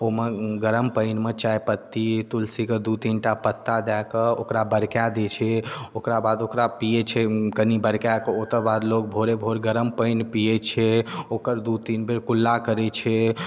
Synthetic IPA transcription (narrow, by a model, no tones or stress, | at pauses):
omeɡəɾəmpəɪnmet͡ʃajpət̪ːit̪ulsiked̪ut̪inʈapət̪ːad̪akəo̰kɾabəɾkjad̪et͡ʃʰɛokɾabad̪okɾapijet͡ʃʰɛkənibəɾkjakəot̪əɾbad̪lok̚bʱoɾebʱoɾɡəɾəmpəɪnpiet͡ʃʰɛokəɾd̪ut̪inbeɾkulːakəɾɛt͡ʃʰɛ